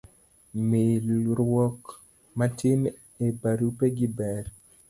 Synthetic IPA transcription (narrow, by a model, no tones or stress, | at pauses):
mɪɾwɔk | matʰɪm | ebaɾupeɡɪbɛɾ